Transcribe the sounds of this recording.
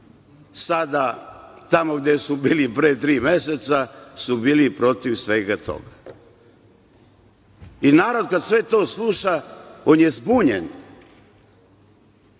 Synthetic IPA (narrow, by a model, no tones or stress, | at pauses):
sad̪at̪amoɡd̪esubiːlipɾeːt̪ɾiːmeset̪sasubiːlipɾo̞t̪iʋsʋe̞ːɡat̪ʰo̰ɡa | inaːɾod̪̚kad̪sʋe̞t̪o̞ːslˠuʃaonjezbuːɲḛn